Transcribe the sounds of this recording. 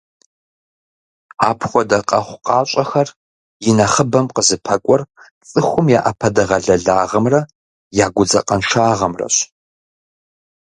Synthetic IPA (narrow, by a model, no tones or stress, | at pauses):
aːpʰxʷɔdɐqʼɐχʷqʼɑːɕʼɐxɐr | jɪnɐχəbɐmqəzɨpʰɐkʷʼɔr | t͡sʼɨxʷʊmjaːʔɐpʰɐdɐʁɐɮɐɮaːʁɐmrɐ | jaːɡʷʊd͡zɐ̰qʼɐnʃaːʁɐmrɐ̰ɕ